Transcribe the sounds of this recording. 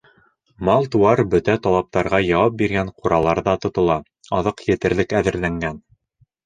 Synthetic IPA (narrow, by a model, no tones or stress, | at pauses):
mɑlˠt̪uɑɾbɵt̪æt̪ɑlˠɑp̚t̪ɑɾʁɑjɑwɑp̚biɾɡæɴquɾɑlˠɑɾðɑt̪ŏt̪ŏlˠɑ | ɑðɤqjɘ̆t̪ɘ̆ɾlɘkæðɘ̆ɾlæŋɡæn